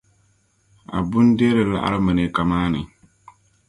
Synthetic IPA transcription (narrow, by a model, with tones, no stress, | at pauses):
a̰˨bʊ˦n˦de˦ɾɨ˨la̰˦ʔa̰˦ɾɨ˦mɨ˨nɨ˨˦ka˨maː˦nɨ˨